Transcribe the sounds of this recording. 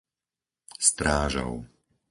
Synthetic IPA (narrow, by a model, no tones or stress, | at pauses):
st̪ɾaːʒɔ̰ʊ